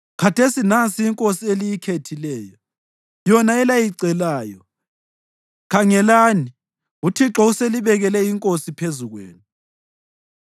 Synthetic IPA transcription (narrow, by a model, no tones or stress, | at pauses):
kʰatʰesinansʼiiŋkʼosielijikʰetʰilɛːjɔ | jɔnaɛlajiǀɛlaːjɔ | kʰaŋɛlaːni | utʰiǁɔuseliβɛɣɛlɛjiŋkʼosipʰezuɣwḛːnu